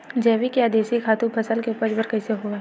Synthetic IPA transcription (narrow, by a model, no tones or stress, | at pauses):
d͡ʒɛːʋikjaːd̪eːsikʰaːt̪ũpʰɐsəlkeupəd͡ʒbəɾkɛːseɦoa